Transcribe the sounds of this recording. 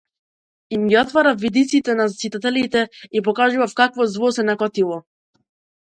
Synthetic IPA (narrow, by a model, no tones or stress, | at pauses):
imɡiɔt̪vaɾafvid̪it̪sit̪ɛnazasit̪at̪ɛlit̪ɛipɔkaʒuvafkakvɔzvɔsɛnakɔt̪ilˠɔ